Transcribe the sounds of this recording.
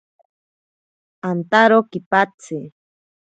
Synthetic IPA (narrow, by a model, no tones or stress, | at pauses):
ant̪aɾokipat͡sɪ